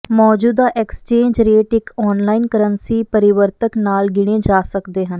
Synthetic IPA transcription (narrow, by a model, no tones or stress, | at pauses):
mɔːd͡ʒuːd̪aːʔɛkst͡ʃeːɲd͡ʒɾeːʈɪkʰɔːnlaːinkəɾənsiːpəɾɪʋəɾt̪əknaːlɡɪɽ̃ẽːd͡ʒaːsəkd̪eːɦən